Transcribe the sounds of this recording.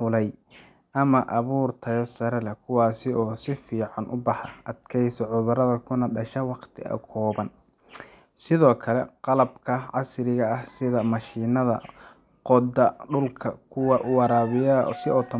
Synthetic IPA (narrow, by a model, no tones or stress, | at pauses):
ħʊlɛj | ʔɐmɐʔɐβuːrt̪ʰɐjɔsɐɾɛlɛkʰʊwɑːsɪɔːsɪfiːʕɑnʔʊbɑħɐʔɐd̪kʰɛjsɔʕʊðʊɾɐðɐkʰʊnɐɗɐʃɐwɑqt̪ʰɪɐ̰kʰɔːβɐn | sɪðɔːkʰɐlɛqɑlɐb̚kʰɐʕɑsɾɪɣɐːhsɪðɐmɐʃiːnɐðɐ̰ | qɔd̪ɐɖʊlkʰɐ̰kʰʊwɑʔʊwɑɾaːβɪjɐsɪɔt̪ʰɐ